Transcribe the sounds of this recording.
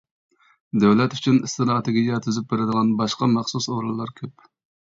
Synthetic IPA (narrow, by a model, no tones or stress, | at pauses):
d̪æwlɛt̪yt͡ʃʰynist̪ɪnɑt̪ʰeɡʲiɡʲijɑt̪ʰyzyp̚beɾɪd̪əʁɑnbɑʃqɑmɑχsusoɾulˠːɑɾkʲʰøp